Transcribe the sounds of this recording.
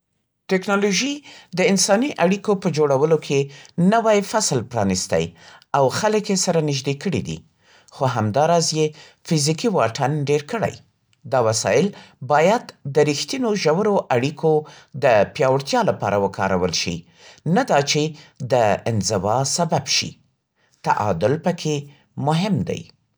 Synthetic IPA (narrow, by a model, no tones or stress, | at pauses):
tɪknɑloʒid̪əɪnsɑniʔaɽikopəd͡ʒoɽawəlokʰenəwajfaslpɾɑ̰nist̪a̰jawxaləkjesaɾanɪʒd̪ekəɽḭd̪ḭ | xoɦamd̪ɑɾɑzje | fizikiwɑʈʰanɖeɾkəɽa̰j | d̪ɑwasɑ̰ɪlbɑjad̪ːəɾixt̪inoʒawəɾoʔaɽikʰod̪əpjɑwəɽt̪jɑlapɑ̰ɾawəkʰɑɾa̰wəlʃḭ | nad̪ɑt͡ʃed̪əɪnzɪwɑsababʃḭ | t̪aʔɑ̰d̪ʊlpəkʰe | mʊɦɪmd̪a̰j